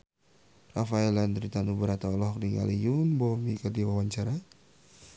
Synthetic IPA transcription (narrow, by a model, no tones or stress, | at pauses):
rafaɛland̪ɾit̪anubəɾat̪aɔlɔhkdiŋa̰lijunbɔmikədiwawaɲt͡ʃaɾa